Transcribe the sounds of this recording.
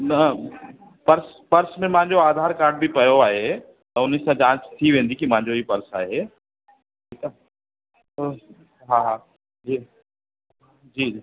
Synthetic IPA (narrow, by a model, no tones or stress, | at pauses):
nɐ | pɐɾs | pɐɾsmẽmãɦɪ̃ɲd͡ʑoaːd̪ʱaːɾkaːɾɖ̚bʱipɐjoaːɦe | t̪ɐʊnisãt͡ɕãːt͡ʃt̪ʰiʋẽːn̆d̪ikimãːɲd͡ʑoipɐɾsa̰ːɦe | ʈʰiːka | o | ɦã | iː | d͡ʒiːi